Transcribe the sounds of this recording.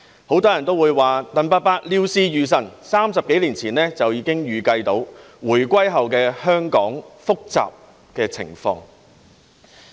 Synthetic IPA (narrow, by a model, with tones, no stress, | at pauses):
ho˨˥wt̪ɔː˥jɐ˨˩nt̪o˥wu˨˧jwaː˨˩t̪ɐ˥˧npa˥t̚paː˥k̚liː˥wsiː˥jyː˨˧s̬ɐ˨˩nsaː˥msɐ˨p̚ke˨˥jliː˨˩nt͡sʰiː˨˩nlɛː˥t͡sɐ˨wjiː˨˧kɪ˥ŋjyː˨kɐ˧jt̪o˨˧˥w | wuː˨˩jkʷɐ˥jɦɐ˨wkɛː˧hœː˥ŋkɔː˨˥ŋfʊ˥k̚t͡sa̰ː˨p̚ | kɛː˧t͡sʰɪ̰˨˩ŋfɔ̰ː˧ŋ